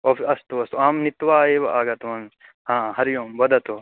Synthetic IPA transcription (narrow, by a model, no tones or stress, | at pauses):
ofɐst̪uɐst̪uaːmnit̪ːʋaːeːʋɐaːɡɐt̪uɐn | hãːɦɐɾjoːmbɐd̪ɐt̪u